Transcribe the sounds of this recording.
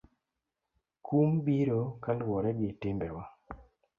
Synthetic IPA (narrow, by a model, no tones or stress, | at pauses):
kumbiɾokalwɔɾɛɡɪtɪmbɛwa